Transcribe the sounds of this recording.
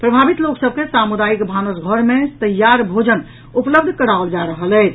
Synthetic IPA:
pɾəbʱabit̪loksəb̚ʱkesamud̪ajikbʱanəsɡʱəɾmẽt̪əjːaɾbʱod͡ʒən | upləbd̪ʱkəɽaəld͡ʒaɾəɦəlɛt͡ʃʰ

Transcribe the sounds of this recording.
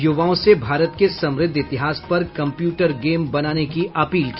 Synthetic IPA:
jʊʋaːõsebʱaːɾət̪kesɐ̃mɾɪd̪ʱːɪt̪ɪɦaːspɐɾkɐ̃mpjuːʈəɾɡeːmbɐnaːnekiɐpiːlki

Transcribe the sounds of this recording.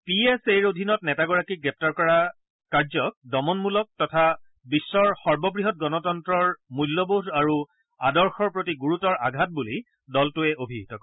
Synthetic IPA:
pieseɹodʱinɔtnɛtaɡɔɹakiɡɹɛp̚taɹkɔɹa | kaɹzɔk̚dɔmɔnmulɔk̚tɔtʰa | bisːɔɹxɔɹbɔbɹiɦɔt̚ɡɔnɔtɔntɹɔɹmujlːɔbodaɹu | adɔɹxɔɹpɹotiɡuɹutɔɹaɡʱat̚buli | dɔltʊɛʔobʱiɦitɔkɔ

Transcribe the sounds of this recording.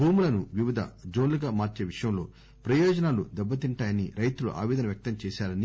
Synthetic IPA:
bʱuːmulɐnuʋiʋid̪ʱɐ̰d͡ʒoːnluɡaːmaːɾt͡ʃe̞ːʋiʂɐjɐmlo̞ː | pɾɐjɔːd͡ʒɐnaːlud̪ɛbːɐt̪iɳʈaːjɐniɾɐjt̪ulṵʔa̰ːʋeɛːd̪ɐnɐʋjɐk̚t̪ɐmt͡ʃɛːsaːɾɐni

